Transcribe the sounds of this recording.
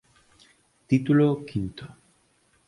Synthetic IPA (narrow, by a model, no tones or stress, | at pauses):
t̪it̪ulokʰint̪o̥